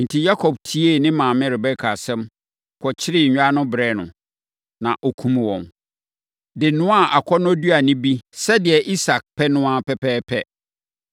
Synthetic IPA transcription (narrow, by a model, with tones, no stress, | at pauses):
n̩˨tʰi˨ja˦kʰɔ˨b̚tʰi˦e˦˨nɪ̃˦mãː˨mɪ̃˦ɾɪ˨bɛ˦kʰa˨sɛ̃˦m | kʰɔ˨t͡ɕʰɪ˦ɾɪ˦ɲ̩˨ɲᶣ˦a˦nʊ̃˦bɾɛː˦˨nʊ̰̃˨ | nã˨ʔo˨kʰũ˦m˨wɔ̰̃˨n | dɪ˨nʊ̃˦a˦˨ʔa˨kʰɔ˦nʊ̃˦du˦a˨nɪ̃˦bi˦sɛ˦dɪ˨ɛ˨ʔi˦sa˨k̚pʰɛ˦nʊ̃˦a˨pɛ˦pʰɛː˦pʰɛ˦